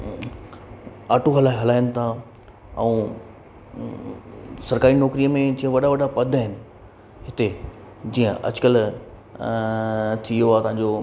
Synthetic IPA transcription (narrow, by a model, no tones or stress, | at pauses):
aːʈoɦɐlaːɦɐlaːɪənɪ̆t̪ʰã | ɛ̰̃ː | sɐɾkaːɾinɔːkɾiːəmẽd͡ʑiːə̃ʋɐɗaʋɐɗapɐd̪ʱaːɦɪnɪ̆ | ɦɪt̪e | d͡ʑiːə̃ʔɐ̰d͡ʑʊkəl | t̪ʰijoaːt̪ɐ̃ɦãɲ̆d͡ʑoː